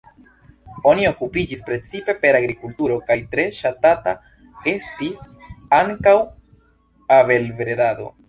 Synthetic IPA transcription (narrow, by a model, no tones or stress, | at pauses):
o̞nio̞kupid͡ʒispɾe̞t͡sipe̞pe̞ɾaɡɾikultuɾo̞kajtɾe̞ʃatata | e̞stis | aŋkaw | ave̞lvɾe̞dado̞̰